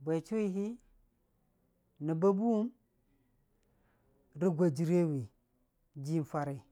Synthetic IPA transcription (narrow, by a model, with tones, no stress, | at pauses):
ba˨t͡ʃu˦i˦ɦi˦ | ni˨ba˦bu˦u˦m | ɾi˦ɡʷa˨d͡ʒi˦ɾe˦wi˨ | d͡ʒi˦n˦fa˦ɾe˨